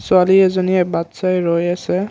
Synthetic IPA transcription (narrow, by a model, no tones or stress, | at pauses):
sʊaliɛzɔniɛbat̪sajɹojasɛ